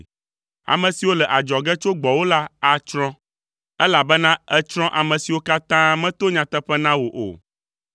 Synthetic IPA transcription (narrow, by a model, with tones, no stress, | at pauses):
a̰˨mɛ̃˨si˨wo˦lɛ˨ʔa˨d͡ʒɔ˨ɡɛ˦t͡ʃo˦ɡ͡bɔ˨wo˦la˦a˨t͡ʃɾɔ̃˦ | ɛ˦la˨bɛ˦nã˦ɛ˦t͡ʃɾ̃ɔ̃˦ʔa˨mɛ̃˨si˨wo˦ka˦t̪ã˦mɛ̃˦t̪o˦ɲã˨t̪ɛ˦ɸɛ˦nã˦wo˨ʔo̰˨